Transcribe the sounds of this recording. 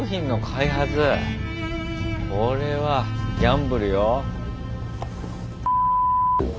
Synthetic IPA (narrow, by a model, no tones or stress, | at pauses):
çĩnːo̞kʰaiɦat͡sɨ | kʰoɾe̞βaɡʲãmbɯ̟ɾɯ̟jo